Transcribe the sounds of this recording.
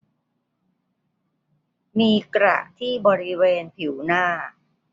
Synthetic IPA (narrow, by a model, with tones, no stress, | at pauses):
miː˧kɾa̰˨˩ʔt̪ʰiː˥˩bɔː˧ɾi˦˥weː˧npʰi˩˦wnaː˥˩